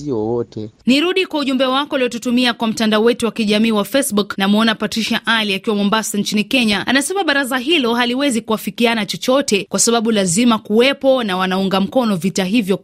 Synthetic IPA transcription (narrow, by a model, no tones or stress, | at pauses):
iɔwɔtɛniɾuɗikwauʄumbɛwakɔulijɔtutumiakwam̩tandaɔwɛtuwakiʄamiːwafɛsɓuknamuɔnapatɾiʃaʔaliakiwamɔmbasaɲt͡ʃinikɛɲaanasɛmaɓaɾazaɦilɔɦaliwɛzikuwafikianat͡ʃɔt͡ʃɔtɛkwasaɓaɓulazimakuwɛpɔnawanauŋɡam̩kɔnɔvitaɦivjɔ